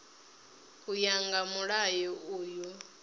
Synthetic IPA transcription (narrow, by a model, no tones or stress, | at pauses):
kujaŋɡamuɺajɔʔuːju